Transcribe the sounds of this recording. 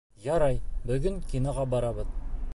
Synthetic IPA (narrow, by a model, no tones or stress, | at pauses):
jɑɾɑjbɵɡʲɘŋkʲʰinɑʁɑbɑɾɑbəð